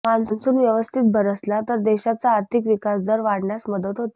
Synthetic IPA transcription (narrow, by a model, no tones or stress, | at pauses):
mãnt͡snsuːnʋjəʋəst̪ʰit̪̚bʱəɾəslat̪əɾd̪eɕat͡saːɾt̪ʰikʋikasd̪əɾʋaɽɳjasməd̪ət̪ɦot̪a